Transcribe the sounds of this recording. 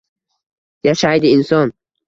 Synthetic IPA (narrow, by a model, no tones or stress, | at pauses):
jaʃaid̪iinsɔn